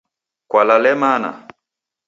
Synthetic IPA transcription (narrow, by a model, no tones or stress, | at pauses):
kwalalɛmana̰